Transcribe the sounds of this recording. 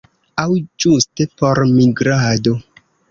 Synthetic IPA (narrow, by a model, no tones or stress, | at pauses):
awd͡ʒustepoɾmiɡɾado